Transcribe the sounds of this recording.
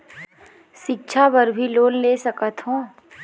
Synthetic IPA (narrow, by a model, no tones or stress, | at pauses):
ʃɪk̚t͡ʃʰapəɾbʱiloːnleːsɐkət̪ɦõː